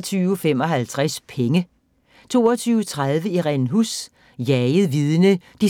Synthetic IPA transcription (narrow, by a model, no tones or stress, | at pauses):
t͡sʰyːʊfemɒ̽ɦælt͡sʰʁaspʰeŋə | t͡sʰo̝̰ːɒt͡sʰyːʊət͡sʰʁaðˠʋəiʁɛnɦus | jɛɪð̩ˠʋiðˠənəd̥i